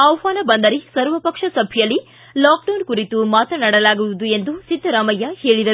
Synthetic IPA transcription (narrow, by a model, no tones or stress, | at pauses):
ɐʋʋaːnɐbɐnd̪ɐɾisɐɾʋɐpɐkʂɐsɐbʱijɐlːi | laːk̚ɖɐwnkuɾit̪umaːt̪ɐnɐɽɐlaːɡuʋud̪ue̞nd̪usid̪ʱːɐɾaːmɐjːɐheːɭid̪ɐɾ